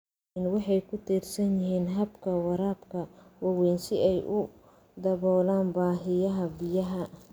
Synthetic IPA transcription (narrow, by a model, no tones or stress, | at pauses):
nwɑħɑjkʰʊt̪ʰiːrsɐnjɪɦiːnɦɐbkʰɐwɑɾaːbkʰɐwɑwɛːnsɪɛjʔʊ | d̪ɐβɔːlaːnbaːɦɪjɐɦɐbɪjɐɦɐ